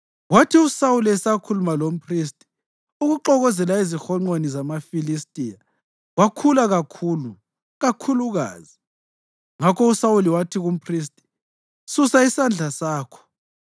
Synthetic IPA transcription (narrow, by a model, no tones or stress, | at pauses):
watʰiusawuliɛsakʰulumalom̩pʰris̬tʼi̥ | uɣuǃɔɣɔzɛlaizixɔŋ͡ǃwenizamafilistʼija | ɣwakʰulaɣakʰuːlu | ɣakʰuluɣa̰ːzi | ŋakʰɔusawuliwatʰiɣum̩pʰris̬tʼi̥ | susaisand͡ɮʱasaːkʰɔ̥